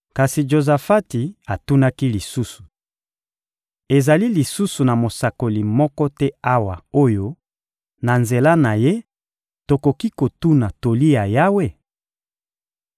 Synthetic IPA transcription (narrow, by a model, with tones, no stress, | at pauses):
ka˨si˨d͡ʒo˨za˨fa˦ti˨a˨tu˦na˦ki˦li˨su˦su̥˨ | e˨za˨li˦li˨su˦su˨na˨mo˨sa˨ko˨li˨mɔ˦kɔ˦tɛ˦a˦wa˨o˦jo˦ | na˨nze˨la˦na˨je˦ | to˨ko˨ki˦ko˨tu˦na˨to˨li˦ja˨ja˦we˦